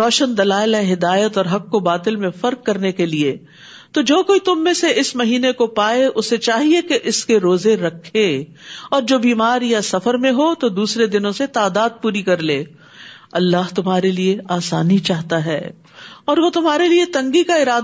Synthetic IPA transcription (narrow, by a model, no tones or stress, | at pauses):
ɾɔːʃənd̪ɐlaːɪlɦɛ̃ɦɪd̪aːjət̪ɔːɾɦɐkːobaːt̪ɪlmẽfɐɾkːɐɾnekelie | t̪od͡ʒoːkoːit̪ʊmːẽseɪsmɐɦiːnekopaːeʔʊsːet͡ʃaːɦiekeʔɪskeɾoːzeɾɐkʰːeː | ɔːɾd͡ʒoːbiːmaːɾjasɐfəɾmẽɦot̪od̪uːsɾed̪ɪnõset̪aːd̪aːd̪̚puːɾikɐɾleː | ɐlːaːɦt̪ʊmɦaːɾelieaːsaːnit͡ʃaːɦt̪aɦɛː | ɔːɾʋot̪ʊmɦaːɾeliet̪ɐ̃ŋɡikaɪɾaːd̪